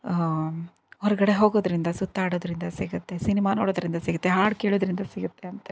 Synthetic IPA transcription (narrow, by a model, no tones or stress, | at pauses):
ɦɔɾɐɡɐɽe̞ɦo̞ːɡoːd̪ɾind̪ɐsut̪ːaːɽoːd̪ɾind̪ɐsiɡɐt̪ːe̞sinimaːnoːɽoːd̪ɾind̪ɐsiɡɐt̪ːeɦaːɽkeːɭoːd̪ɾind̪ɐsiɡɐt̪ːeɐnt̪ɐ